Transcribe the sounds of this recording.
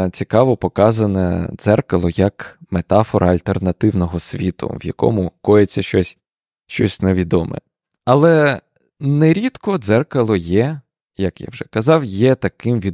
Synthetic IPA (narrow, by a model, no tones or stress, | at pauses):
t͡sʲikɑʋɔpɔkɑzɐnɛd̪z̥ɛrkɐlˠɔjɐkmet̪ɑfɔɾʔɐɐlʲt̪ernɐt̪ɪwnɔɦɔsʲʋʲit̪ʊ̰ʋjɐkɔ̰mʊkɔjet͡sʲːɐʃt͡ʃɔsʲ | ʃt͡ʃɔsʲneʋʲid̪ɔmɛ̰ | ɐlˠɛ | neɾʲit̪kɔd̪zɛrkɐlˠɔjɛ | jɐkja̰wʒɛkɐzɑwjɛt̪ɐkɪmʋʲi